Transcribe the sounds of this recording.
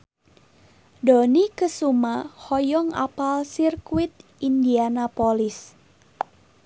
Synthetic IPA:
donikəsumahɔjɔŋa̰palsirkwit̪̚ | indianapolis

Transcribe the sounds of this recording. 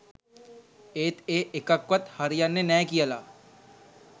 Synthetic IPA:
eːt̪eːʔɪkəkʋət̪hɐɾijanenɛkijalaː

